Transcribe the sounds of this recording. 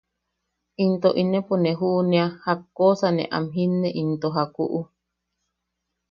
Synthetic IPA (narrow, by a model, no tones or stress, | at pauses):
ʔint̪oʔinẽponẽɦuʔnẽahakːosanḛ̃ʔa̰mɦinːeʔint̪oɦakuʔu